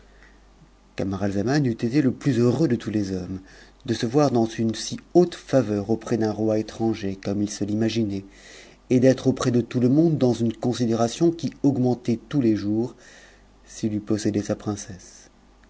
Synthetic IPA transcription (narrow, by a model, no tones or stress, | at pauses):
kamaʁalzamanyt̪et̪eləplyzøʁød̪ət̪ʰulezɔm | d̪əsəvwaʁd̪ɑ̃zynsiot̪favœʁopχɛd̪ɛ̃ʁwaet̪χɑ̃ʒekɔmilsəlimaʒinɛ | ed̪ɛt̪χopχɛd̪ət̪uləmɔ̃d̪ːɑ̃zynkɔ̃sid̪eʁasjɔ̃kʲiɔɡmɑ̃t̪ɛt̪uleʒuːʁ | silypɔsed̪ɛsapχɛ̃sɛs